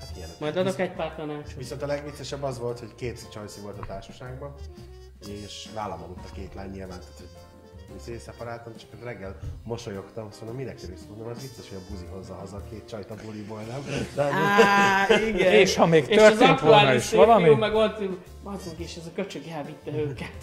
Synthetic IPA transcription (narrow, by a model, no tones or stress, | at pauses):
hat̪iɛnmɒjd̪ɒd̪okɛcpaːrt̪ɒnaːt͡ʃoviso̞nt̪ɒlɛɡvit̪sːɛʃɛbːɒzʋo̞lt̪ho̞ckeːt̪si̥t͡ʃɒjsivo̞lt̪ɒt̪aːrʃɒ̥ʃaːɡbɒn | eːʃvaːlːɒ̰molut̪ːɒkeːt̪laːɲɲilvaːnt̪aːt̪ʰho | iseːsɛpɒɾaːlt̪ɒmt͡ʃɒ̥kerɛɡːɛlmo̞ʃojo̞kt̪ɒmsonomminɛkːɛlistud̪nomɛzbit̪sːoʃhoɟɒbuziɦo̞zːɒɦɒzɒkeːt̪t͡ʃɒjt̪ɒbulibolnɛmd̪ɛ | iɡɛeːʃhɒmeːɡt̪ːʃørzt̪eːnt̪ʋolnɒiʃvɒlɒmiumɛɡolt̪u | mɒzuɡeːʃɛzɒkøt͡ʃøɡaːvit̪ːɛøːkɛt̪